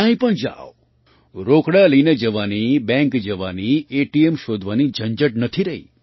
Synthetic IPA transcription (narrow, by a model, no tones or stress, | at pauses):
ãĩpəɳd͡ʒa̰ʋo | ɾokɽaləined͡ʒəʋanibɛ̃ŋkd͡ʒəʋanieʈiemʃod̪ʱʋanid͡ʒʱəɲd͡ʒəʈ̚nət̪ʰiɾəɦḭ